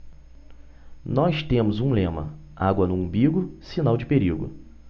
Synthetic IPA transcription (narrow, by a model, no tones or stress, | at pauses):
nɔst̪ẽmʊzũlẽmɐ̰ | a̰ɡwɐnũbiɡʊsinawd͡ʒɪpeɾiɡʊ̰